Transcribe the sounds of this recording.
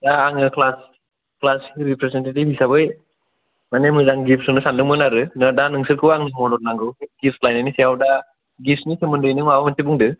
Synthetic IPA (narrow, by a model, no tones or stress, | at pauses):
daːŋɯkʰlas | klasiɾipɾesentetibisabɯj | manemɯzaŋɡipsɯŋnɯsandɯŋmɯnaɾɯnɯdanɯŋsɯɾkʰɯwaŋɯmɔdɔɾ̚naŋɡɯwɡip̚slajnanisiawda | ɡisnisemɯndɯjnɯmawamatebuŋdɯ